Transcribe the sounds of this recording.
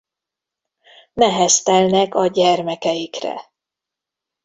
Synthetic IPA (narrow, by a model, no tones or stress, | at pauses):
nɛɦɛst̪ɛlnɛkɒɟɛrmɛkɛjikrɛ̰